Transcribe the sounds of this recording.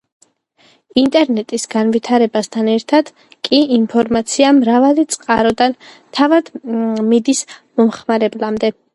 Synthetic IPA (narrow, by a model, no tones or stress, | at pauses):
int̪ʼɛɾnɛt̪ʼisɡanvit̪ʰaɾɛbast̪ʰanɛɾt̪ʰad̪̥ | kʼiinpʰɔɾmat̪sʰiamɾavalit̪sʼqʼaɾɔd̪an | t̪ʰavad̪̥mid̪ismɔmχmaɾɛblamd̪ɛ